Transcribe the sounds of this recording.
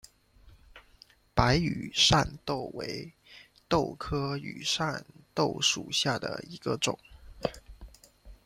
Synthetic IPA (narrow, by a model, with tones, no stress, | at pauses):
pa˧˥ɪy̰˨˩ʂa̰˥˧nt̪o˥˩ʊwe˧˥ɪ | t̪o˥˩ʊkʰɤ˥y̰˨˩ʂa˥˩nt̪o˥˩ʊʂṵ˨˩ɕja˥˩d̪ə̰˩i˧˥ɡ̥ə˧ʈ͡ʂʊ̰˨˩˦ŋ